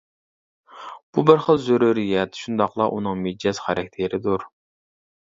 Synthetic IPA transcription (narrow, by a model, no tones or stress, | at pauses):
b̥ubɪɾχəlˠzøɾuɾijɛt̪ʃund̪ɑqlˠɑʔunɨŋmid͡ʒɛz̥χæɾɛkʲt̪ʰeɾɪd̪uɾ